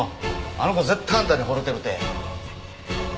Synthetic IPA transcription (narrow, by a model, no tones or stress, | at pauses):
a̰nokozet̪ʰːãːnt̪aɾiɦoɾot̪ːeɾɯt̪e